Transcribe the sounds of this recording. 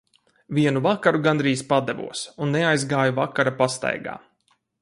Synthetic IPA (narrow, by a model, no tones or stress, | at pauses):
viɛnuvakaɾuɡand̪ɾiːspad̪ɛvṵɔsunːeajzɡaːjuvakaɾapast̪a̰jɡa̰ː